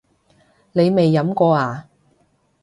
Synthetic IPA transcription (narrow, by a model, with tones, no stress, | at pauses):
ne˨˧jme˨jːɐ˨˥mkɔː˧aː˨˩